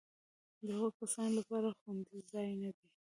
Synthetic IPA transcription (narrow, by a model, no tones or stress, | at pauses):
d̪əɣokasɑnlapɑɾaxwand̪izɑjnad̪i